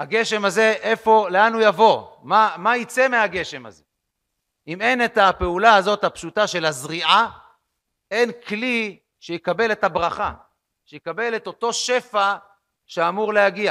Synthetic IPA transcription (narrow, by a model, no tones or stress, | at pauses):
haɡe̞ʃe̞maze̞ʔefo̞leanujavo̞mamait͡se̞meaɡe̞ʃe̞ma̰ze̞ | ime̞ne̞tape̞ulaazo̞thapʃutaʃe̞lazʁiʔa | e̞nkli | ʃejekabe̞lethabʁaχa | ʃejekabe̞le̞to̞to̞ʃe̞fa | ʃeamuʁlejaɡia